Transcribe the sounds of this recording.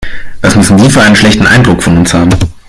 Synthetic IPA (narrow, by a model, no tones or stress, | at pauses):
vasmʏsn̩diːfyːɐaɪənʃlɛçtn̩ʔa̰ɪndʁʊkfɔnʊnshaːbm̩